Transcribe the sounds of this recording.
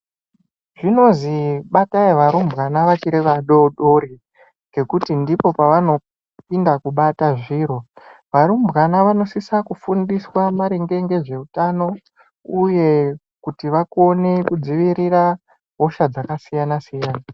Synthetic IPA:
ʐino̞ziɓataiʋaɾumbɣanaʋat͡ʃiɾeʋaɗoɗo̞ɾi | ŋɡe̞kutindipo̞paʋano̞ | pindakuɓataʐiːɾo̞ʋaɾumbɣanaʋano̞sisakufundiswamaɾeŋɡe̞ŋɡe̞ʐe̞utano̞ | uje̞ | kutiʋako̞ne̞kud͡ziʋiɾira | ɦo̞ʃad͡zakasijanasijaːna

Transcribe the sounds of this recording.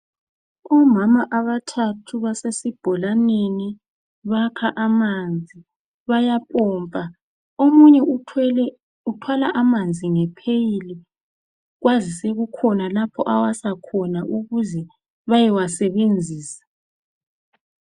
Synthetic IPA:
ɔmamaʔaβatʰatʰuβasesib̥ʱɔlaneni | βakʰaʔamand͡zʱi | βajapʼɔːmpʼa | omuɲɛ | utʰwalaʔamand͡zʱiŋɛpʰejili | ɣwazisɛɣukʰɔnalapʰɔʔawasakʰɔnaʔuɣuzɛ | βajɛwasɛβend͡zʱiːsḁ

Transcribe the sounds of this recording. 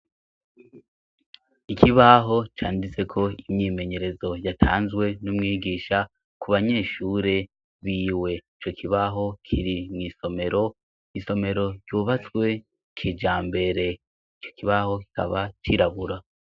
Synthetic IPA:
ikʰiβaɦo̞t͡ʃaːndit͡se̞kʰo̞imɲiːme̞ɲe̞ɾe̞zo̞jatʰaːnzɡwe̞numŋiːɡiːʃa | kuβaɲe̞ːʃuːɾe̞ | βiːwe̞it͡ʃo̞kʰiβaɦo̞kʰiɾimŋiːso̞me̞ɾo̞ | iso̞me̞ɾo̞ɟjuːβat͡swe̞ | kʰid͡ʒaːmbe̞ɾe̞ | it͡ʃo̞̥kiβaho̞ki̥ka̰βat͡ʃiɾaβuɾa

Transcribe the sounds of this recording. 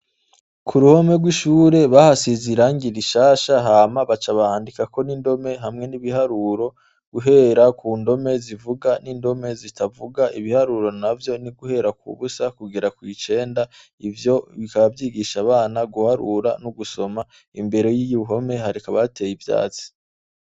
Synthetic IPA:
kʰuɾuho̞me̞ɡwiʃuːɾe̞βahasiziɾaːŋɡiɾiʃaːʃaɦaːmaβat͡ʃaβaaːndikako̞nindo̞me̞ɦamŋe̞niβihaɾuɾo̞ | ɡ̥uɦe̞ɾakuːndo̞me̞zivuɡanindo̞me̞zitʰavuɡaʔiβihaɾuɾo̞navjo̞niɡuhe̞ɾakṵβusakuɡiɾakwit͡ʃe̞ːnda | ivjo̞βikaβavjiːɡiʃaβaːnaɡuhaɾuɾanuɡuso̞ma | imbe̞ɾe̞jijuuɦo̞me̞haɾikaβate̞jivja̰ːt͡si̥

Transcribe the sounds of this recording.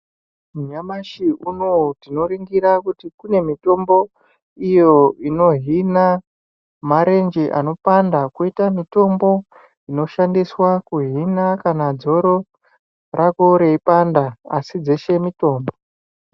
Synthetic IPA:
mɲamaʃiunotino̞ɾiŋɡiɾakutikune̞mito̞mbo̞ | ijo̞ino̞ɦina | maɾe̞nd͡ʒeʔa̰no̞pandakuitamito̞mbo̞ | ino̞ʃandiswakuɦinakanad͡zo̞ɾo̞ | rʔako̞ɾe̞ipandaasid͡ze̞ʃe̞mito̞ːmbo

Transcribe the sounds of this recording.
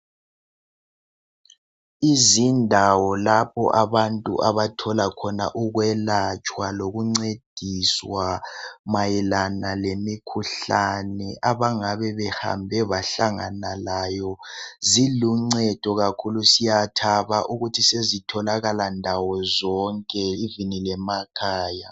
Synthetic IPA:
izindʱawɔlapʰɔ̰ʔaβantʼṵʔaβatʰɔlakʰɔna̰ʔuɣwɛlat͡ʃʼwaloɣuŋ͡ǀed̥ʱiswamajilanalemikʰuɬanɛʔaβaŋaβɛβɛha̰mbʱɛβaɬaŋanalaːjɔziluŋ͡ǀɛd̥ʱɔɣakʰulusijatʰaβaʔuɣutʰisezitʰɔlaɣalandʱawɔzɔŋkʼɛivinilɛmakʰaːja

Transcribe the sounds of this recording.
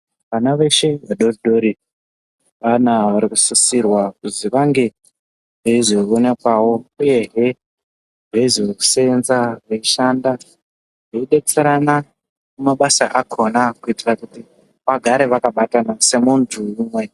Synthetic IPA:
ʋanaʋe̞ʃe̞ʋaɗo̞riɗo̞ɾi | ʋanaʋaɾikusisirwakuziʋaŋɡe̞ | ʐeiziione̞kwawo̞uje̞ɦe | ʐeiziʋeku̥seenzareiʃanda | ʐeiɗe̞t͡seɾana | mumaɓasaʔakʰo̞nakuitirakuti | ʋaɡʱaɾe̞ʋakaɓatanase̞muntʰuumwe̞

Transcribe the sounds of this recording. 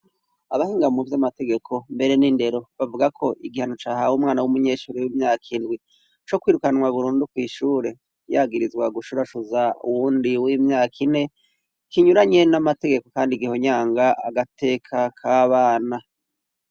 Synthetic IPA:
aβahiːŋɡamuvjamate̞ɡe̞kʰo̞mbe̞ɾe̞ninde̞ɾo̞βavuɡakʰo̞ʔiɡihanot͡ʃaːhawumŋaːnawumuɲe̞ːʃuɾewimɲaːkʰindɡwi | t͡ʃo̞kwiːɾukanŋwaβuɾuːndukwiːʃuːɾe̞ | jaːɡiɾizɡwaɡuʃuɾaʃuzaṵwuːndiwimɲaːkʰine̞ | kiɲuɾaɲe̞namate̞ɡe̞ko̞kaːndiɡiho̞ɲaːŋɡaaɡatʰe̞kʰakʰaːβaːna

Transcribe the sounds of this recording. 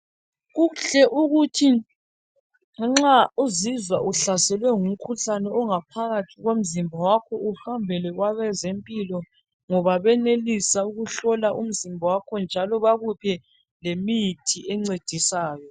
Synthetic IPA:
ɣuɬɛʔuɣutʰi | ŋ͡ǁauzizwaʔuɬasɛlwɛŋum̩kʰuɬanɛɔŋapʰaɣatʰiɣom̩zimbʱawakʰɔuhambʱɛlɛɣwaβɛzempʼilɔ | ŋɔβaβɛnelisauɣuɬɔlaʔum̩zimbʱawakʰɔnd͡ʒʱalɔβaɣupʰɛ | lemitʰiɛŋ͡ǀed̥ʱisaːjɔ

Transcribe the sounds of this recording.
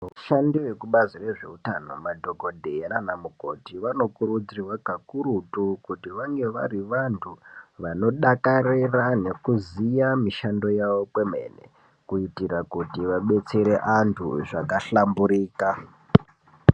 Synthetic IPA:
ʋuʃandiʋekuɓazire̞ʐe̞̰utano̞̰madʱo̞ɡʱo̞dʱeenanamuko̞tiʋano̞kuɾud͡zirwaɡʱakuɾutukutiʋaŋɡe̞ʋa̰ɾiʋantʰuʋano̞ɗakarirane̞kuzijamiʃando̞jaʋo̞pwe̞me̞̰ːnḛ | kuitirakutiʋaɓe̞t͡se̞ɾe̞ʔantʰṵʐakaɬambuɾiːka

